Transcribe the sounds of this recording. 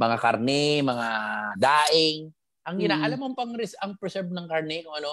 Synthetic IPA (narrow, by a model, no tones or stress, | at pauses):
mɐŋaka̰ɾnɛmɐŋad̪aːʔɪŋ | ʔɐŋɡɪnaːʔɐlamompɐŋɾɪsɐŋpɛɛsɛɹb̚nɐŋkaɾnɛnʊŋʔɐno